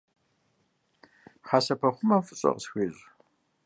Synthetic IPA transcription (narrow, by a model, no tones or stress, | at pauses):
χɑːsɐpʰɐχʷʊmɐfɨɕʼɐ̰qəsxʷeːʑʼ